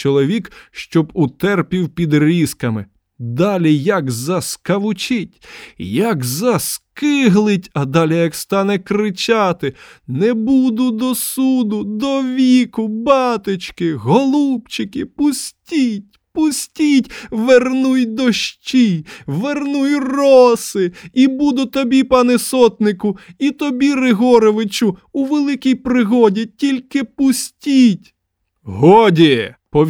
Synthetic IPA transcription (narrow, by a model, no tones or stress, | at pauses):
t͡ʃɔlˠɔʋʲikʃt͡ʃɔbʊt̪ɛrpʲiwpʲid̪ɾʲiskɐmɪ | d̪ɑlʲijɐɡzɐskɐʋʊt͡ʃɪtʲjɐɡzɐskɪɦlˠɪtʲɐd̪ɑlʲɛjɐkst̪ɑnɛkɾɪt͡ʃɑt̪ɪnɛbud̪ʊd̪ɔsud̪ʊd̪ɔʋʲikʊbɑt̪ɪt͡ʃkɪɦɔlˠupt͡ʃɪkɪpʊsʲtʲitʲpʊsʲtʲitʲʋernujd̪ɔʃt͡ʃijʋernujrɔsɪibud̪ʊt̪ɔbʲipɑnɛsɔt̪nɪkʊit̪ɔbʲirɪɦɔɾɔʋɪt͡ʃʊuʋelˠɪkʲijpɾɪɦɔdʲitʲilʲkɪpʊsʲtʲitʲ | ɦɔɔdʲipɔʋʲ